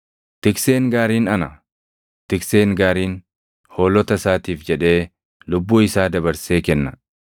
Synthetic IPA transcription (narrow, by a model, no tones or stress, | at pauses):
t̪ɪkseːŋɡaːɾiːnɐnɐ | t̪ɪkse̞ːŋɡaːɾiːn | hoːlːɔt̪ɐsaːt̪iːfd͡ʒɛᶑe̞ː | lʊbːuːɪsaːd̪ɐβɐɾse̞ːkɛnːɐ